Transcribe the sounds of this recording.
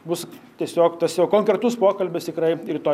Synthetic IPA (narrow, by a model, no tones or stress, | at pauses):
bʊst̪ʲiɛsʲoːkt̪ɐsjɛʊkoːŋkɾʲɛt̪ʊspoːkɐlʲbʲɪst̪ʲɪkrɐɪɾʲɪt̪oː